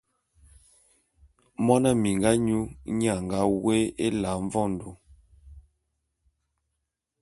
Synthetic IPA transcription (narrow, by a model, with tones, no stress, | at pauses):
mɔ˦na˦mi˨ŋɡa˦ɲu˦ɲ˦a˦˨ŋɡa˨˦we˦e˦la˨˦ɱ˦vɔ˦˨n̩˨do˨˦